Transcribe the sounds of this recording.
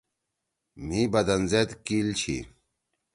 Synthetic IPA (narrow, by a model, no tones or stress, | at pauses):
mibɐd̪ɐnzet̪kilt͡ɕʰḭ